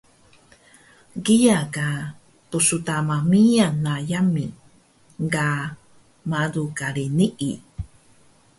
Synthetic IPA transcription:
ɡijaka | tusutamamianajami | ŋɡa | madukaɾiniʔḭ

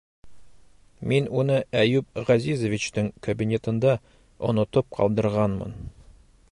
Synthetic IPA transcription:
minunɤæjʉp̚ʁæzizovʲit͡ɕt̪ɘŋkɐbʲinʲe̞t̪ɤ̆nd̪ɑ | ŏ̰nŏt̪ɤp̚qʰɒ̰lˠd̪ɤ̆ɾʁɑnmɤ̰n

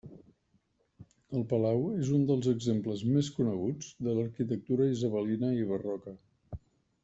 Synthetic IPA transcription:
əlˠpəlawezund̪əlˠzəɡzempləzmeskunəɣ̞ud͡zd̪ələɾkit̪ək̚t̪uɾəizəβəlinəiβərɔkə

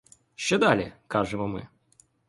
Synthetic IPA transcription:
ɕːɪd̪alʲɪ̰kaʐɨməmɨ̰

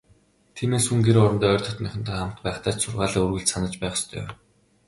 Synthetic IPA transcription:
t̪ʰiːmeːsxuŋɡeɾɔɾɞ̆nt̪æːœːrt̪ʰɔ̆t̪nœxʲɪ̆n̥t̪æ̆χam̥t̪pæːχt̪aːt͡ɕsʊrʁaːɮaːurɣɘ̆ɮt͡ɕsanə̆t͡ɕpæːχst̪ʰœ̰ː

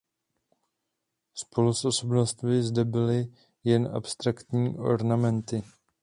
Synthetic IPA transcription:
spo̞lusʔo̞so̞bnost̪mɪzdɛbɪlɪ | jɛnʔa̰pst̪ɾakt̪ɲiːʔo̞̰ɾnamɛnt̪ɪ

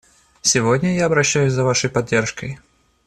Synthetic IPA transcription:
sʲɪvodʲnʲəjaɐbɾɐɕːæjʊsʲzɐvaʂəjpɐdʲːe̞rʂkəj

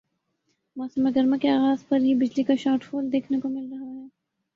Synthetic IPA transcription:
mɔːsəmeɡɐɾmãkeaːɣaːzpɐɾɦibɪd͡ʒlikaʃaːɾʈfoːld̪eːkʰnekomɪlɾɐɦaɦɛː

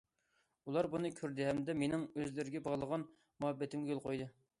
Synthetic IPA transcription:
ulˠɑɾbunɨkʲʰyɾd̪ɪɦɛmd̪ɛmenɪŋøzlɪɾɪɡʲɛbɑʁlˠəʁɑn | muɦɛbːɛt̪ʰɪmɡʲɛjolˠqʰojd̪ɨ

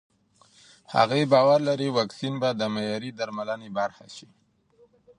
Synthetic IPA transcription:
ha̰ɣebɑwaɾlaɾiwɑksinbad̪əmajɑɾid̪aɾmalənebaɾxa̰ʃi

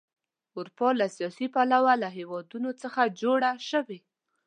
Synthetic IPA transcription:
ʊɾupɑlasijɑsipalawalaɦewɑd̪unot͡səxad͡ʒoɽaʃəwe

